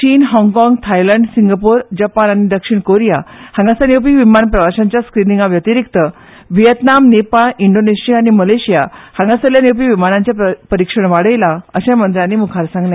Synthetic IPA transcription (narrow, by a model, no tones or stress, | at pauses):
t͡ɕiːnɦɔ̃ŋɡkɔ̃ŋɡt̪ʰajləɳɖsiŋɡapuɾd͡ʑəpananid̪əkʂiɳkoɾijahãŋɡasanjewp̬iʋimanpɾəʋaɕãɲt͡ɕjaskɾinĩŋɡaʋjət̪iɾik̚t̪ə | ʋijət̪namnepaɭiɳɖoneɕijaːñiməleɕijahãŋɡasəljanjewp̬iʋimanãɲt͡ɕjapəɾikʂəɳʋaɽəjlaəɕãmənd̪ɾjãnːimukʰaɾsãŋɡlẽ